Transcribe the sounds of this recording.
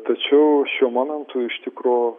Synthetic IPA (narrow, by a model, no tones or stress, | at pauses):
t̪ɐt͡ʃʲɛʊʃʲomɑnɐmt̪uɪʃt̪ʲɪkɾoː